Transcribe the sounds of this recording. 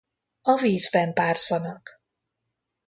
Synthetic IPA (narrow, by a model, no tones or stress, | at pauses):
ɒviːzbɛmpaːrsɒnɒk